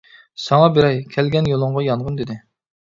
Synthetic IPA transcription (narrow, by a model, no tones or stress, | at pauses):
sɑŋɑbeɾɛjkʲʰɛlɡʲɛnjolˠʊɴʁɑjɑnʁənd̪ɪd̪ɪ